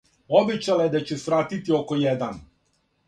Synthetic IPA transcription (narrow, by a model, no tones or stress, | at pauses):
obet͡ɕalajed̪at͡ɕusʋɾaːt̪it̪ioko̞jed̪an